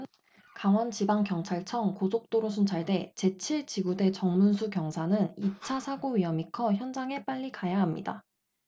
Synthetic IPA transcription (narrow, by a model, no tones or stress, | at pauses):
kaŋwʌnt͡ɕibaŋkjʌŋt͡ɕʰaɭt͡ɕʰʌŋkosʰok̚t͈oɾosʰunt͡ɕʰaɭde̞t͡ɕe̞t͡ɕʰiɭt͡ɕiɡude̞t͡ɕʌŋmunsʰukjʌŋsʰanɯnit͡ɕʰasʰaɡoɥiʌmikʰʌçjʌnd͡ʑaŋe̞p͈aʎːikajaɦamɲḭda̰